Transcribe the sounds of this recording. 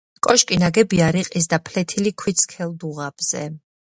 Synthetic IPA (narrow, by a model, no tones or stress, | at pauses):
kʼɔʃkʼinaɡɛbiaɾiqʼisd̪apʰlɛt̪ʰilikʰwit̪sʰkʰɛlˠd̪uʁab̥z̥ɛ̰